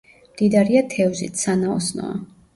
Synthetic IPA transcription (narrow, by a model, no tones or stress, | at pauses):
md̪̥id̪aɾiat̪ʰɛvzḭt̪sanaɔsnɔ̰a̰